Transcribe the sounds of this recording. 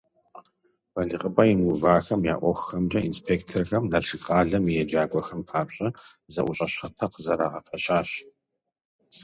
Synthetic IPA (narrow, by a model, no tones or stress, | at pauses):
bɐɮɨqʼəbʼɐjimuvaːxɐmja̰ːʔʷɔxxɐmd͡ʒɐʔinspʰeːktʰerxɐmnɐɬʂɨɡqaːɮɐmijɛd͡ʒaːɡʷɔxɐmpʰaːpɕʼɐzɐʔʷʊɕʼɐɕχɐtʰɐqəzɐɾaːʁɐpʰɐɕaːɕ